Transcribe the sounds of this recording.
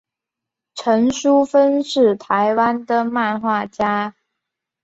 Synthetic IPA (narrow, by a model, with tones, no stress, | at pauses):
ʈ͡ʂʰə˧˥ŋʂu˥fə˥nʂɻ̩˥˩t̪ʰa˧˥ɪwa˥nd̪ə˨ma˥˧nxwa˥˩t͡ɕja˥